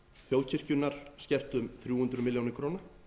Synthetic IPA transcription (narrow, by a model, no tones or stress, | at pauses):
fjoːwlcʰɪr̥cʏnːaɾ̥scɛr̥t̪ʏmθɾjuːhʏnt̪ɾʏmɪljownɪɾkʰɾoːwna